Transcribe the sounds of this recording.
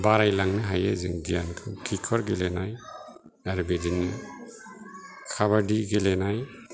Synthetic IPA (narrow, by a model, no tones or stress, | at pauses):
baɾajlaŋnɯɦajazḭŋɡijankʰɯmkʰikʰɔɾɡɛlɛnaj | aɾubedinːɯ | kʰaβadiɡɛlɛnaj